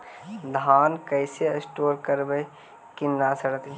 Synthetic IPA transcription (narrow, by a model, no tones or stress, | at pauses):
d̪ʱaːnkəɪseəsʈoːɾkəɾbej | kɪnːasəɽət̪ː